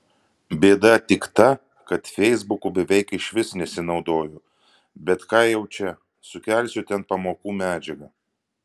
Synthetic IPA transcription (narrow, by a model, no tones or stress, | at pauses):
bʲeːd̪ɐt̪ʲɪkt̪ɐ | kɐt̪fʲɛɪzbʊkubʲɛʋʲɛɪkɪʃʲʋʲɪsnʲɛsʲɪnɒʊd̪oːjʊ | bʲɛt̪kɑːjɛʊt͡ʃʲɛ | sʊkʲɛˑlʲsʲʊt̪ʲɛnpɐmoːkuːmʲæːd͡ʒʲɛɡɐ